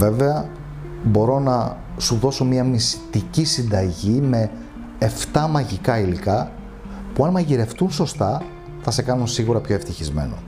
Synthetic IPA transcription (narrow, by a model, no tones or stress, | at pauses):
ve̞ve̞ɐ | bo̞ɾo̞nɐ | suðo̞so̞miɐmist̪icisind̪ɐʝime̞ | eft̪ɐmɐʝikɐilikɐ | puɐnmɐʝiɾe̞ft̪unso̞st̪ɐ | θɐse̞kɐnunsiɣuɾɐpço̞e̞ft̪içizme̞̰no̞̰